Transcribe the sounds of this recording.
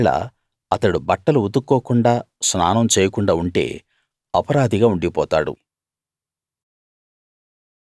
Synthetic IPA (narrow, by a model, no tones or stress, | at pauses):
ɭɐ̰ | ɐt̪ɐɽubɐʈːɐluud̪ukːoːkuɳɖaː | sna̰ːnɐmt͡ʃeːjɐkuɳɖaːuɳʈe̞̰ː | ɐpɐɾaːd̪iɡaːuɳɖipɔːt̪aːɽṵ